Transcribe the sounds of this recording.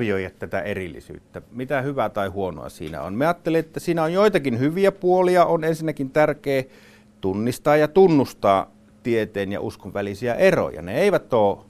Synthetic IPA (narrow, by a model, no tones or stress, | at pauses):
ijoijɑt̪t̪æt̪æerilːḭsy̰ːt̪ːæmit̪æhyʋæt̪ɑˑihuono̰ɑ̰sḭːnæ̰o̰nmeɑːt̪ːeleet̪ːæsiːnæonjoˑit̪ɑkinhyʋiæpuoliɑonensinːækint̪ærkeː | t̪unːist̪ɑːjjɑt̪unːust̪ɑ̰ː | t̪iet̪eːnjɑ̰uskoʋʋælisiæʔero̰jɑ̰nḛeˑiʋæt̪oː